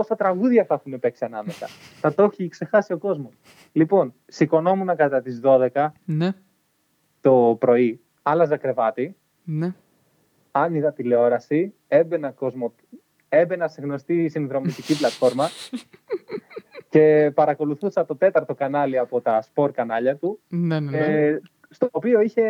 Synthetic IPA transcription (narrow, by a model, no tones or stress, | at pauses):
o̞sɐt̪ɾɐɣuðʝɐθɐexunepe̞ksiɐnɐmesɐ̰t̪ɐt̪o̞çikse̞xɐsio̞ko̞zmo̞s | lipo̞n | siko̞no̞munɐkɐt̪ɐt̪izðo̞ðe̞kɐn | t̪o̞pɾo̞i | ɐlɐzɐkɾe̞vɐt̪i | n | ɐniðɐt̪ileo̞ɾɐsi | e̞be̞nɐko̞zmo | e̞be̞nɐseɣno̞st̪isinðɾo̞mist̪iciplɐt̪fo̞ɾmɐ | ce̞pɐɾɐko̞luθusɐt̪ot̪e̞t̪ɐɾt̪o̞kɐnɐliɐpo̞t̪ɐspo̞ɾkɐnɐʎɐt̪une | st̪oːpio̞içe̞